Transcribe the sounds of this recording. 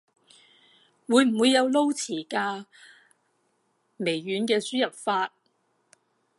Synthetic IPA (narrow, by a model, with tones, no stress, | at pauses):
wuː˨˧jm̩˨˩wuː˨˧jːɐ˨˧wlo˥wt͡sʰiː˨˩kaː˧ | me˨˩jːyː˨˥nkɛː˧syː˥jɐ˨˩p̚faː˧t̚